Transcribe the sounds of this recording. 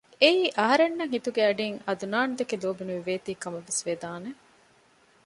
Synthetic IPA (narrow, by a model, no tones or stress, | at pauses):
eiːʔɐɦɐɾenːɐŋɦit̪uɡeɐɖiŋɐd̪unaːnd̪ekeloːbinuʋiʋeːt̪iːkɐmɐʋesʋed̪aːne